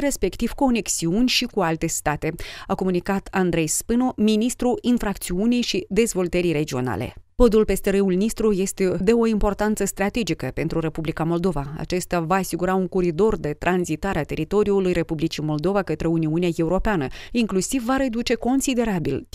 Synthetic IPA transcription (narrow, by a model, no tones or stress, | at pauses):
ɾe̞spe̞kt̪iv̥ko̞ne̞ksiunʲʃikualt̪e̞st̪at̪e̞ako̞munikat̪ʰand̪ɾe̞jspɨno̞minist̪ɾuinfɾak̚t̪siunijʃid̪e̞zvo̞lt̪əɾijɾe̞d͡ʒio̞̰na̰le̞̰po̞d̪ulpe̞st̪eɾəulnist̪ɾuje̞st̪e̞d̪e̞o̞impo̞rt̪ant̪səst̪ɾat̪e̞d͡ʒikəpe̞nt̪ɾuɾe̞publikamo̞ld̪o̞vaa̰t͡ʃe̞st̪avaːsiɡuɾauŋkuɾid̪o̞rd̪e̞t̪ɾanzit̪aɾeat̪e̞ɾit̪o̞ɾiulujɾe̞publit͡ʃimo̞ld̪o̞vakət̪ɾe̞uniuneaje̞uɾo̞peanəiŋklusivːaɾe̞d̪ut͡ʃe̞ko̞nsid̪e̞ɾabil